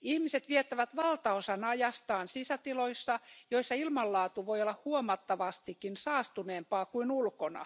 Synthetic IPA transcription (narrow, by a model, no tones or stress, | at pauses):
ihmiset̪ʋiet̪ːæʋæt̪ʋɑlt̪ɑosɑnɑjɑst̪ɑːnsisæt̪iloisːɑjoisːɑilmɑlːɑːt̪uʋojolːɑhhuomɑt̪ːɑʋɑst̪ikːinsɑːst̪uneːmpɑːkuinulkonɑ̰